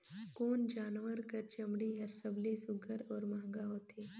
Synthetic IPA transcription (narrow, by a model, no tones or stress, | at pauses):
koːnd͡ʒaːnʋəɾkɐɾt͡ʃɐmɽiɦɐɾsəblisʊɡʱəɾɔːɾmãːŋɡaːot̪ʰeː